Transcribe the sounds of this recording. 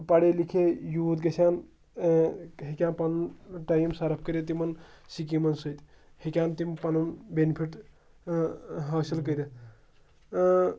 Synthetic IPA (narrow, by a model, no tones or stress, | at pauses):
paɽelikʰejuːd̪ɡesʰan | ɦikjãnpɐnʈajmsaɾɐp̚ʰkəɾet̪̬imɐnsikimɐnsəjt̪ | hikʲjant̪impɐnɐnbenipʰiʈ | ɦɐsilkəjɾe